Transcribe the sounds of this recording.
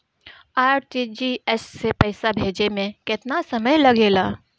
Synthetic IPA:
aːɾʈid͡ʒiɛssepɛːsabʱeːd͡ʒemẽkɪt̪nasəməjlɐɡeːlaː

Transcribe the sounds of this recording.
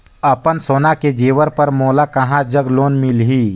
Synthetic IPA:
əpənsoːnaked͡ʒeːʋəɾpəɾmoːlakɐɦãd͡ʒəɡloːnmɪlɦiː

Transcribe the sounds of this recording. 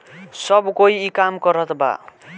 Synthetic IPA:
sʌbkoiːkamkʌɾʌt̪ba̰

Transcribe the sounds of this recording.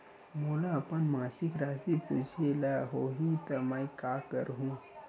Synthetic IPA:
moːlaɐpənmãːsɪkɾaːsiput͡ʃʰelaɦoɦit̪ɐməikaːkə̰ɾɦũ

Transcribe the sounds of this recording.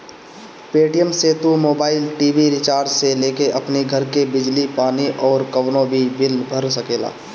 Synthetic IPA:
peːʈijəmset̪umoːbaːɪlʈiːʋiɾɪt͡ʃaːɾd͡ʒseleːkeʔɐpniɡʱɐɾkebɪd͡ʒlipaːniʔɔːɾkəʋnõbʱibɪlbʱəɾsəkeːla̰ː

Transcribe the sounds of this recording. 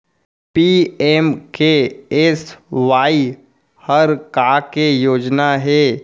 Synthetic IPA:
pieːmkeesʋaːi | həɾkakejoːd͡ʒnaɦɛː

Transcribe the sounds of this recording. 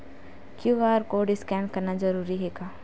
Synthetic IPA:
kjuʋaːɾkoːɖɪskɛːɳkɐɾnad͡ʒɐɾuːɾiɦeːɡaː

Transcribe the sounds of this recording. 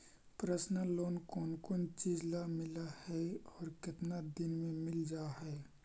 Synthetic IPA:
pɾəsnəloːnkoːnkoːnt͡ʃiːd͡ʒlamɪlahɛɔːɾkɪt̪nad̪ɪnmẽmɪld͡ʒaːɦɛː

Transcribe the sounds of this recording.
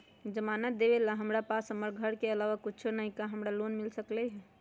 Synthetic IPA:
d͡ʒəmanət̪̚d̪ebelaɦəmɾapasɦəməɾɡʱəɾkeəlawakut͡ʃʰonəɦĩkaɦəmɾalonmilsəklɛɦɛ

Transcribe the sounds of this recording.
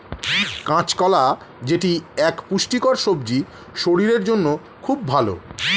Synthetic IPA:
kãt͡ɕkɔla | d͡ʑeʈiɛkpuʃʈikoɾʃobd͡ʑi | ʃoɽiɾeɾd͡ʑonːo | kʰub̚ːʱalo̰

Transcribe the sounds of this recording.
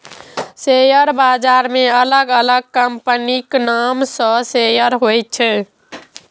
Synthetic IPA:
sejəɾbad͡ʒaɾmeələɡələɡ̚kəmpəniknamsə̃sejəɾɦojt͡ʃʰɛ

